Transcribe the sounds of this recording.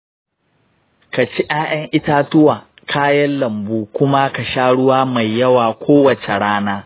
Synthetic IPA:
ka˨t͡ʃi˦ʔaː˦ʔɐ˦ŋʔɪ˦taː˦tʊ˦wa˨ | kʰaː˦jɐ˦nlɐ˨mbuː˦kʷʊ˦ma˦ka˨ʃaː˦ɽʊ˦waː˦ma˨jːɐ˦waː˨kʷʰoː˦wɐ˨t͡ʃe˨ɽaː˦naː˦

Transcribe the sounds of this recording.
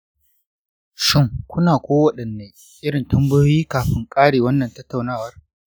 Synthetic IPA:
ʃɪ˦˨ŋkʷʊ˦naː˨kʷoː˦wɐ˨ɗɐ˨nːeː˦ | ʔɪ˦ɽɪ˨ntɐ˦mbɪ˦joː˦jiː˦kaː˨ɸɪ˦ŋkʼaː˦ɽeː˨wɐ˦nːɐ˨ntɐ˦tːa˨wnaː˦˨wɐ˦r

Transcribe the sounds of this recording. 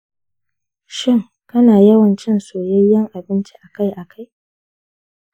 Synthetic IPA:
ʃɪ˦˨ŋ | kɐ˦naː˨jɐ˦wɐ˨nt͡ʃɪ˦nsoː˨jɐ˦jːɐ˦ŋʔa˨bɪ˦nt͡ʃi˦ʔa˨ka˦jʔa˨kʰa˦j

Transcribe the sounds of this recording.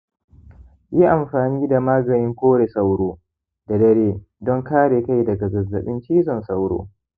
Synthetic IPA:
ji˦ʔa˨mɸaː˨niː˦da˨maː˦ɡɐ˨nɪ˦ŋkʷoː˦ɽe˨sa˦wɽoː˦ | d̥a˨dɐ˦ɽeː˦ | dɔ˦ŋkaː˦ɽeː˨ka˦jdɐ˨ɡɐ˨ɡɐ˨zːɐ̰˨ɓɪ˦nt͡ʃiː˦zɔ˨nsa˦wɽo̰ː˦

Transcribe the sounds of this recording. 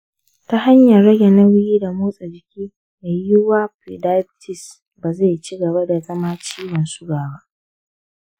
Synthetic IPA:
ta˦ha˦ɲjɐ˨rɽɐ˦ɡʲɛ˨nɐ˦wʊ˦jiː˦da˨muː˦sʼa˨d͡ʒɪ˨kʲiː˦ | me˨ju˦waː˦ɸi˨da˦jbtʰɪ˨s | baː˨za˦˨t͡ʃi˦ɡɐ˨ba˦da˨zɐ˦maː˦t͡ʃiː˦wɐ˨nsʊ˦ɡaː˨ba˦ʔ

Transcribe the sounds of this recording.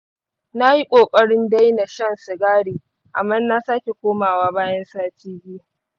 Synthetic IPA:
na˦ji˦kʷʼoː˨kʼɐ˦ɽɪ˦nda˦jna˨ʃɐ˦nsʊ˨ɡaː˦ɽiː˨ | ʔa̰˨mːɐ˦nna˦saː˦kʲe˨kʷoː˦maː˨waː˦baː˦jɐ˦nsaː˦t͡ʃiː˦bʲɪ˦ja˨

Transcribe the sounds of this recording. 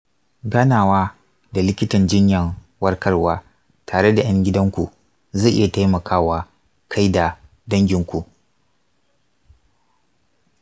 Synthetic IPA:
ɡaː˦naː˨waː˦ | da˨lɪ˦kʲɪ˦tɐ˨nd͡ʒɪ˦ɲjɐ˨ŋ | wɐ˦rkɐ˦rwaː˦ | tʰaː˨ɽe˦da˨j̰ɐ˦ŋɡʲɪ˦dɐ˦ŋkʷṵ˨ | zaː˦˨ʔɪ̰˦ja˨ta˦jmɐ˨kʰaː˦waː˦ | kʰa˦jda˨ | dɐ˦ŋɡʲɪ˨˦ŋkʷu˨ʔ

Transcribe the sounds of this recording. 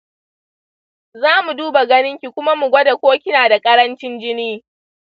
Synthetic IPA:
zaː˦mu˨duː˦ba˨ɡɐ˦nɪ˦ŋkʲi˨kʷʊ˦ma˦mu˨ɡʷɐ˦da˨kʷoː˦kʲɪ˦naː˨da˨kʼɐ˦ɾɐ˦nt͡ʃɪ˦nd͡ʒɪ˦niː˦

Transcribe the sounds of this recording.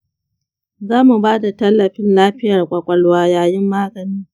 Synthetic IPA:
zaː˦mu˨baː˦da˨tɐ˦lːɐ˨ɸɪ˦nlaː˦ɸɪ˦jɐ˨rkʷʼɐ˨kʷʼɐ˦lwaː˦jaː˨jɪ˦mːaː˦ɡɐ˨niː˦

